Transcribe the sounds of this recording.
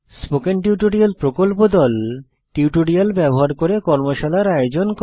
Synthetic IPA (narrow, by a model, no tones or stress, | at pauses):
spokenʈiuʈoɽialpɾokolpod̪ɔl | ʈiwʈoɽialbɛboɦaɾkoɾekɔɾmoʃalaɾajod͡ʑonk